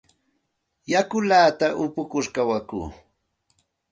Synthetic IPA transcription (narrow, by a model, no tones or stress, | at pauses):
jakʊlaːt̪aʔʊpʊkʊɾkawakṵː